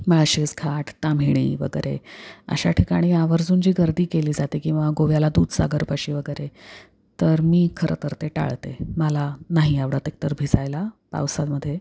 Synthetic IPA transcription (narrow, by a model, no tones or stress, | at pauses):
məɭɕiskʰaʈt̪amʱiɽ̃ḭːʋə̰ɡəjɾḛə̰ɕaʈʰikaɽ̃iːaʋəɾd͡zuːnd͡ʑiːɡəɾd̪iːkeliːd͡zat̪ekĩw̃ʋaɡoʋjalad̪uːd̪sa̰ɡəɾpəɕiːʋəɡəjɾe | t̪əɾmiːkʰəɾət̪əɾt̪eʈa̰ɭt̪ḛməlanaɦiaʋɽat̪ek̚t̪əɾbʱisajlapa̰wsad̪məd̪ʱːje